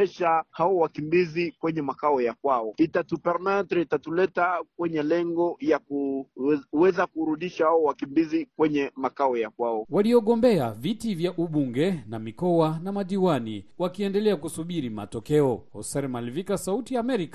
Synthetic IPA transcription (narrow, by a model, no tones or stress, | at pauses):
ɛʃahawɔwakimbizikwɛɲɛmakaɔjakwaɔitatupɛɾmantɾitatulɛtakwɛɲɛlɛŋɡɔjaku | wɛzakuɾuɗiʃahawɔwakimbizikwɛɲɛmakaɔjakwaɔwaliɔɠɔmbɛa̰vitivjaʔuɓuŋɡɛnamikɔanamaɗiwaniwakiɛndɛlɛakusuɓiɾima̰tɔkɛɔhɔ̰sɛɾmalvikasautijaːmɛɾika